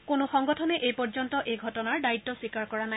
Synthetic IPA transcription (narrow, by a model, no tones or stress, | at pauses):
kʊnʊxɔŋɡɔtʰɔnɛʔejpɔɹzɔntɔʔejɡʱɔtɔnaɹdaitːɔswikaɹkɔɹanaj